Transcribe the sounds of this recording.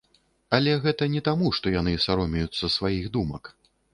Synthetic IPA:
alʲɛɣɛt̪ɐnʲɛt̪amuʂt̪ɔjanɨsaɾɔmʲɛjut̪sːɐsvajiɣd̪umɐk

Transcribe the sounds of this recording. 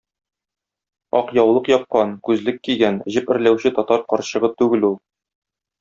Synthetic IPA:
ɒqjɒwlˠɤqjɒp̚qɑnkʉzlɘkːiɡænʑɘpɘ̆ɾlæwɕɘt̪ɒt̪ɑɾqɒɾɕɤ̆ʁɤt̪ʉɡɘlulˠ

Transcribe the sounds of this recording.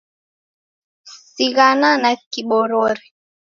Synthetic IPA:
siɣananakiɓɔɾɔɾɛ

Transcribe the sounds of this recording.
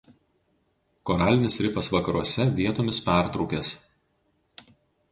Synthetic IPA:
kɔɾɑːlʲɪnʲɪsɾʲɪpɐsʋɐkɐɾuɔsʲɛʋʲiɛt̪oːmʲɪspʲæˑɾt̪ɾɒʊkʲeːs

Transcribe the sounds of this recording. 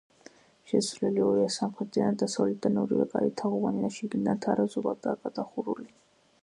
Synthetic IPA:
ʃɛsʰvlɛliɔiasamχɾɛt̪anad̪ːasavlɛt̪̚d̪anɔɾḭɛ̰kʼa̰ɾit̪ʰaʁuvaniaʃiɡinant̪ʰaɾazubak̚d̪aːkʼad̪ʼaχuɾuli

